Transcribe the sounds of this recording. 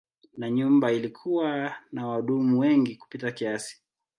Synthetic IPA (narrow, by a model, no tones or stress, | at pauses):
naɲumbailikʰuwanawaɗumuwɛŋɡiku̥pitakiasi̥